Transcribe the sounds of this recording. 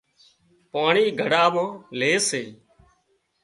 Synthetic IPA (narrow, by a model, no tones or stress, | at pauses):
paːɳiːɡʱəɽaːmãːleːseː